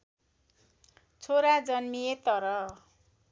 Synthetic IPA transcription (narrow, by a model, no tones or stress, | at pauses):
t͡sʰoɾad͡zʌnmijet̪ʌɾʌ